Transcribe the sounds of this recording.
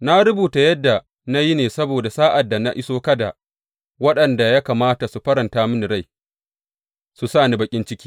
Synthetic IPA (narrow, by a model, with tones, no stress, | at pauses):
na˦ɾʊ˦buː˨ta˨jɐ˦dːa˨ | na˦ji˦neː˨sɐ˦boː˨da˨saː˦ʔa˨dːa˨na˦ʔɪ˦soː˦kɐ˦da̰˨ | wɐ˦ɗɐ˨nda˨ja˦kaː˨maː˦ta˨su˨ɸɐ˦ɾɐ˨ntaː˦mʊ˦ni˨ɾa˦˨j | su˨saː˦˨ni˦bɐ˨kʲʼɪ˦nt͡ʃɪ˦kʲiː˦